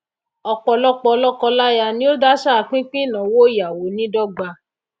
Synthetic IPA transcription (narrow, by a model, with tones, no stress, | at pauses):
ɔ˧k͡pɔ˧lɔ˦k͡pɔ˧lɔ˦kɔ˧la˦ja˧nĩ˦o˦da˦ʃa˦a˧˨k͡pĩ˦k͡pĩ˦˨nã˨˦wo˦ja˨wo˨˦nĩ˦dɔ˦ɡ͡ba˧